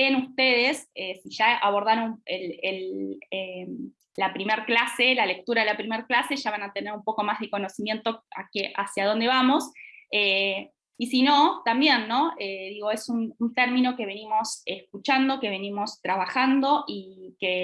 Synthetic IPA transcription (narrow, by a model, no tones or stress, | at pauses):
enust̪e̞ð̞e̞sesiʒ̥aaβ̞o̞ɾð̞aɾoneleleː | apɾimeɾklase̞lale̞k̚t̪uɾaðelapɾimeɾklase̞ʒ̥aβanat̪e̞ne̞ɾumpo̞ko̞mazðeko̞no̞simje̞nt̪o̞akeʔa̰sjað̞o̞nd̪e̞βamo̞se | isino̞t̪ambje̞nːo̞eðiɣo̞e̞sununt̪eɾmino̞ke̞β̞e̞nimo̞seskut͡ʃand̪o̞ke̞β̞e̞nimo̞st̪ɾaβaxand̪o̞ʔike